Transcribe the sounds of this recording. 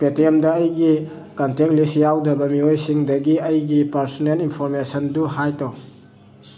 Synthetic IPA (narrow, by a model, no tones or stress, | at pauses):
petiemdɐːjɡi | kantek̚lisjawdɐbɐmiojsiŋdɐɡiɐjɡipaɾsɔnelinpʰɔɾmesɐnduɦajtɔ